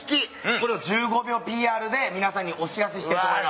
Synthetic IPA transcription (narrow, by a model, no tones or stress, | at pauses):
kʲiko̞ɾe̞ad͡ʑɨːɡo̞bʲjo̞ːpʲiːaːɾɯ̟d̪e̞mʲinasãɲ̟ːiʔo̞ɕiɾaseɕi̥t̪e